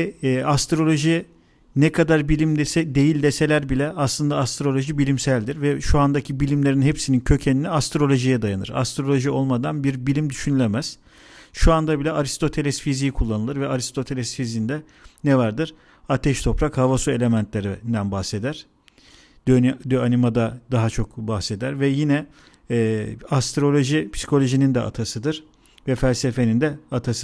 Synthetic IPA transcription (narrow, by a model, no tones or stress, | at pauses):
ɛast̪ɾo̞lʲo̞ʒi | nɛkʰad̪aɾbilʲimd̪sɛd̪e̞jilʲd̪ese̞lʲæɾbilʲɛʔaslˠɯnd̪aːst̪ɾo̞lʲˠo̞ʒibilʲimsælʲd̪iɾvɛʃuand̪acʰibilʲimlʲe̞ɾinhepsinincʰø̞cʰeniniast̪ɾo̞lʲo̞ʒijɛd̪ajanɯ̰ɾa̰st̪ɾo̞lʲo̞ʒio̞lˠmad̪anbiɾbilʲimd̪yʃynylʲemæz̥ | ʃuand̪abilʲɛʔaɾist̪ʰo̞t̪ʰe̞lʲɛsfizijikʰulˠːanɯlˠɯɾvɛaɾist̪ʰo̞t̪ʰe̞lʲɛsfizind̪ɛ | nɛvaɾd̪ɯɾ̥ | at̪ʰɛʃt̪ʰo̞pɾakhavasue̞lʲe̞mænt̪ʰlʲeɾind̪ænbaxse̞d̪æɾ̥ | d̪ød̪øanimad̪ad̪aɦat͡ʃʰo̞kbaxse̞d̪æɾvɛjinɛː | ast̪ɾo̞lʲoʒipʰsi̥kʰo̞lʲo̞ʒinind̪ɛa̰t̪ʰasɯd̪ɯɾ̥ | vɛfælʲse̞fe̞nind̪ɛat̪ʰasɯ̥